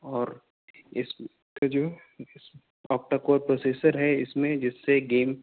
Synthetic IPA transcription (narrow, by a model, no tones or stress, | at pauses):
ɔːɾ | ɪs | kad͡ʒoː | ɪs | ɔːk̚ʈakoːɾpɾoːseːsəɾɦɛɪsmẽd͡ʒɪsːeɡeːm